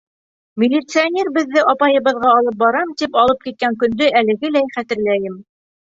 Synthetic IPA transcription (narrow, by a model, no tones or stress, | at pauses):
mʲɪlʲit̪sɨanʲe̞rbɘ̆ðːɘʔɑpɑjɤ̆βɤ̆ðʁɑːlˠɤp̚bɑɾɑmt̪ipɑlˠɤp̚kit̪̚kæŋkɵ̆nd̪ɵælɘ̆ɡɘlæjχæt̪ɘ̆ɾlæjɘm